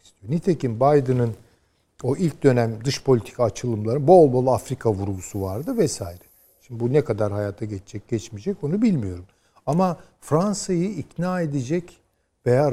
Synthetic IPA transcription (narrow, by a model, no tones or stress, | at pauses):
i̥st̪ʰijo̞nit̪ʰecimbajd̪ɯnɯn | o̞ʔilʲc̚d̪ø̞næmd̪ɯʃpʰo̞lʲit̪ʰi̥kʰaːt͡ʃʰɯlˠɯmlˠaɾɯnbo̞lˠbo̞lˠafɾikʰavuɾɡusuvaɾd̪ɯvɛsaːjiɾɛ | ʃimd̪ibunɛkad̪aɾɦajaːt̪ʰaɟet͡ʃʰed͡ʒɛc̚ɟ̥ɛt͡ʃmid͡ʒɛco̞nubilʲmijo̞ɾum | ama | fɾansajɯicnaːe̞d̪ed͡ʒɛc | vejaːɾ